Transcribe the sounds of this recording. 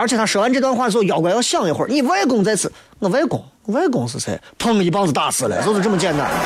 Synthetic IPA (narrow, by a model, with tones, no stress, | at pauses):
ə˞˧˥t͡ɕʰjɛ˨˩t̪ʰa˥ʂə˧˥a˥˧nʈ͡ʂɤ˥˧wa˧n˥xwa˥˧˩jɑ˨˩ʊkwa˧˥jɑ˥˧ɕjɑ˥˩ŋi˧˩˥xwə̰˞˥˧ni˨˩we˥ɪk̬ʊ˨˩ŋt͡sa˥˧ɪt͡sʰɹ̩˨˧˩ | ə˧˩˧we˥ɪkʊ̰˨˩˦ŋ˧we˥ɪk̬ʊ˨˩ŋsʰɹ̩˧˩t͡sʰa˧˥˩pʰɤ˥˩ŋi˧˥˩pɑ˥ŋt͡s̩˧˩t̪a̰˥˩sɹ̩˧˥˩la̰˧˩sɔ˥d̪ʈ͡ʂɤ˥˩mə˩t͡ɕjɛ˥˧nt̪a̰˥˩n